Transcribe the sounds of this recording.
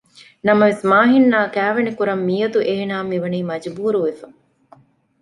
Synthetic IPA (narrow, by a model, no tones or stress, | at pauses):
nɐmɐʋesmaːɦinːaːkæːʋenikuɾɐmːiːɐd̪uʔeɦenaːmiʋɐniːmɐd͡ʒbuːɾuʋefɐ